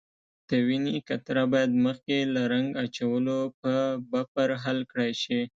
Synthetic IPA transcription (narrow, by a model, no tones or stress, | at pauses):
d̪̥əwinikat̪ɾabɑjad̪məxkelaɾaŋɡat͡ʃawəlop̚əbapəɾɦalkɽajʃi